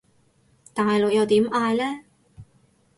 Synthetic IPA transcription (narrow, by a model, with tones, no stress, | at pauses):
t̪aː˨˩hjlo˨k̚jɐ˨˧wt̪iː˨˥mʔaː˧jlɛː˥